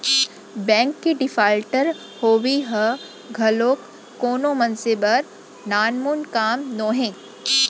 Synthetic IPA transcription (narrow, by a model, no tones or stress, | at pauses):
bɛ̃ːŋkːiɖɪfaːlʈəɾ | hoːʋiɦə | ɡʱɐloːkː | oːnõmɐnsebəɾ | naːnmuːnkaːmnõːɦẽː